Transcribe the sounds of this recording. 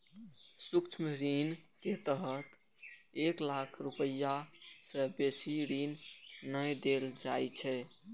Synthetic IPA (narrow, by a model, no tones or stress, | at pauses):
sukt͡ʃʰmɾinket̪əɦət̪ | eklakʰɾupəjasə̃besiɾinːəjd̪eld͡ʒajt͡ʃʰɛ